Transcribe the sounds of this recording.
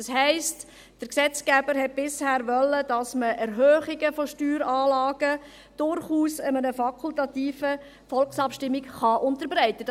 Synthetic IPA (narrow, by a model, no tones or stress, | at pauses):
shɛɪst | d̥əɾksɛt͡sɡ̥æbəɾɦɛt̚b̥ɪshæːɾʋœlːəd̥ɑsməʔɛɾɦœːχɪɡəfoʃtyːɾɑːlɑːɡ̥ə | d̥ʊɾχuːsəmənəfɑkʰultɑtiːfə | fɔlksɑpʃtɪmːɪkχɑʔʊntəɾbɾɛɪtə